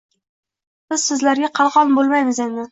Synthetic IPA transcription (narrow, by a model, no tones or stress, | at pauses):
b̥ɪz̥sɪzlaɾɡʲaqʰɑlˠʁɒnbolˠmajmɪzenɪ